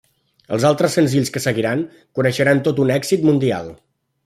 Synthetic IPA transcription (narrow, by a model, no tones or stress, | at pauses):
ə̰lˠzalˠt̪ɾəsːənziʎskəsəɣiɾaŋ | kunəʃəɾant̪ot̪unɛkz̥it̪mund̪ia̰lˠ